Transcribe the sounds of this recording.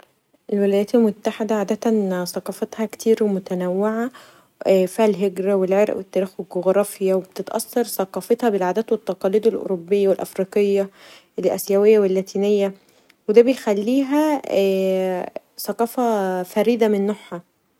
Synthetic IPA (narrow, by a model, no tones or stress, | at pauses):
ʔelwelæjæːt̪elmot̪ːaħed̪æʕaːd̪æt̪ænsˤɑqɑfet̪hɑkt̪ʰiːɾwmot̪ænæwːeʕa | fiːhælɦeɡɾæwelʕeɾʔwet̪ːæːɾiːxweɡoɣɾˤɑːfjæweb̚t̪et̪ʔɑ̰sːɑɾˤsˤɑqɑːfet̪hɑbelʕaːd̪æːt̪wet̪ːɑqɑliːd̪elʔo̰ɾobːejːæwelʔɑ̰fɾiːqejːæ | lʔæ̰sjæwejːæwelːæt̪iːnejːæ | wed̪æːbejxælːiːɦæ | sˤɑqɑːfɑfæɾiːd̪æmenːoħhɑ